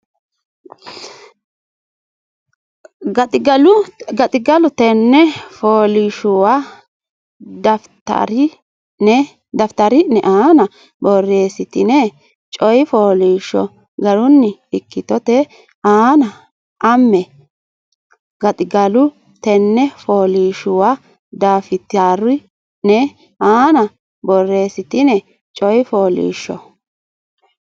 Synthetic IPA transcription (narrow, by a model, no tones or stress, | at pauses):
ɡɐt̪ɪɡɐlʊɡɐt̪ʼɪɡɐlʊt̪ɛnːɛfoːliʃʊwa | d̪ɐft̪ɐ̰ɾɪ | nɛ | d̪ɐft̪ɐɾɪnɛʔaːnɐ | bɔrːe̞ːsɪt̪ɪnɛ | t͡ʃʼɔjɪfoːliːʃɔ̰ | ɡɐɾʊnːɪɪkːɪt̪ɔt̪ɛ | aːnɐ | ʔɐmːɛ | ɡɐt̪ʼɪɡɐlʊ | t̪ɛnːɛfoːliːʃʊwa | d̪aːfɪt̪aːɾ | nɛ | aːnɐ | bɔrːe̞ːsɪt̪ɪnɛ | t͡ʃʼɔjɪfo̞ːlḭːʃːɔ̰